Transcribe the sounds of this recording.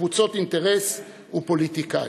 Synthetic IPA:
vut͡so̞t̪int̪eʁes | upo̞lit̪ika̰

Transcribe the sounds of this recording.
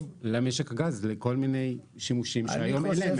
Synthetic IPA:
vlameʃekaɡazleko̞lmine̞jʃimuʃimʃeajomelem

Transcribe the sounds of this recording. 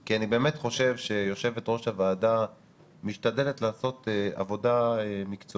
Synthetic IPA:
kianibe̞ːmetχo̞ʃe̞vʃe̞jo̞ʃe̞vetʁo̞ʃavaːda | miʃtade̞letlaːso̞tea̰vo̞daemikt͡so

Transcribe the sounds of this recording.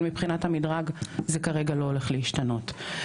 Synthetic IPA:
mipχinathamidʁaɡzekaʁe̞ɡalo̞ole̞χleiʃtano̞t

